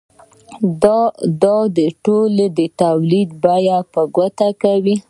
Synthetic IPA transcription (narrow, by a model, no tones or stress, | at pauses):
d̪ɑd̪ɑd̪əʈoled̪ət̪awlid̪̚bajapəɡwat̪akawi